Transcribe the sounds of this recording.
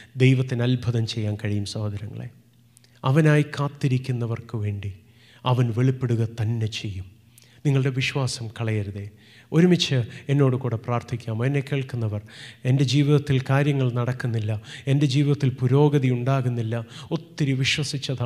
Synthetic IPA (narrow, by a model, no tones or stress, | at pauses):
d̪ejʋɐt̪ːinɐlbʱɐðɐmt͡ɕe̞jːaːnkɐɻijumsɐhd̪ʱɐɾɐŋːɐ̰ɭḛ | ɐʋɐnaːjkaːt̪ːiɾikʲːunːɐʋɐrkɨʋe̞ːɳɖi | ɐʋɐnʋeɭipːeɽuɣɐt̪ɐnːe̞t͡ɕe̞jːum | niŋːɐɭɽe̞ʋiɕwaːsɐmkɐɭɐjɐɾuðe | o̞ɾumit͡ɕːɨe̞nːo̞ːɽɨkuːɽepraːrt̪ʰikʲːaːmɐɐnekːe̞ːɭkunːɐʋɐre̞nde̞d͡ʑiːʋiðɐt̪ːilkaːɾjɐŋːɐɭnɐɽɐkːunːilːɐe̞nde̞d͡ʑiːʋiðɐt̪ːilpuɾo̞ːɡɐðiuɳɖaːɣunːilːɐo̞t̪ːiɾiʋiɕwɐsit͡ɕːɐða